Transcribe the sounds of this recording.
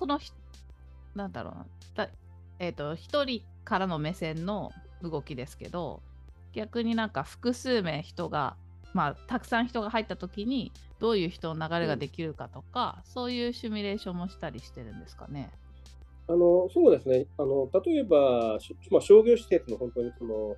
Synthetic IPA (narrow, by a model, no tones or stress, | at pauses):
so̞no̞çi̥ | nãnd̪a̰ɾo̰ | t̪a | eːt̪ːo̞çi̥t̪o̞ɾʲi | kaɾano̞me̞sẽ̞nːo̞ | ɯ̟ɡo̞kʲid̪e̞sɨ̥ke̞̰d̪o̞̰ | ɡ̥ʲakɯ̟ɲ̟inãŋkaɸɯ̥kɯ̟sɨːme̞çi̥t̪o̞ɡa̰ | mat̪akɯ̟̥sãɰ̃çi̥t̪o̞ɡaɦait̪ːat̪o̞kʲiɲ̟i | d̪̥o̞ːjɯ̟ːçi̥t̪o̞no̞naɡaɾe̞ɡad̪e̞kʲiɾɯ̟kat̪o̞ka̰so̞ːjɯ̟ːɕɨmʲiɾe̞ːɕõ̞mːo̞ɕi̥t̪aɾʲiɕi̥t̪e̞ɾɯ̟̃nd̪e̞sɨ̥ka̰ne̞̰ | ano̞so̞ːd̪e̞sɨneano̞t̪at̪o̞e̞baɕmaɕo̞ːɡʲo̞ːɕi̥k̪ekɯnohõ̞nt̪o̞ɲ̟iso̞no